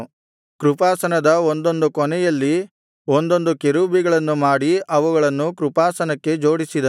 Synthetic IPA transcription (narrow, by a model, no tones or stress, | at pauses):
kɾupaːsɐnɐd̪ɐond̪o̞nd̪ukɔnɛjɐlːi | ond̪o̞nd̪ukeɾubiɡɐɭɐnːumaːɽiɐʋuɡɐɭɐnːukɾupaːsɐnɐkːe̞d͡ʒoːɽisid̪ɐ